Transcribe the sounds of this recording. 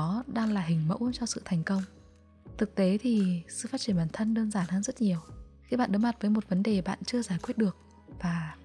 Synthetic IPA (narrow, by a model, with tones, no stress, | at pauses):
ɗaː˧ŋlaː˨˩ɦï˨˩ŋ̟mə̰˧˥wt͡ɕɔ˧sɨ̰˧˨t̪ʰɛ˨˩jŋ̟kə˧wŋ͡m | t̪ʰɨ˨˩k̚t̪e˨˦t̪ʰi˨˩sɨ̰˧˨faː˦˥t̚t͡ɕi˧˩ə˨nɓaː˨˩nt̪ʰə˧nɗəː˧nzaː˧˩nhaː˨˦nzə˦˥t̚ɲi˨˩əw | xi˧ɓa̰ː˧˨nɗma˨˩t̚vəː˨˦jmo˨˩t̚və˨˦nɗe˨˩ɓa̰ː˧˨nt͡ɕɨ˧əzaː˧˩jkwi˦˥ət̚ɗɨ˨˩ək̚ | vaː˨˩